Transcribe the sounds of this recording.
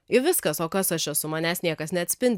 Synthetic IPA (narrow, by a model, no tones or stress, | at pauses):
ɪʋʲɪskɐsoːkɐsɐʃɛsʊmɑːnʲæːsnʲiɛkɐsnʲɛɐt̪ʲsʲpʲɪnʲd̪ʲ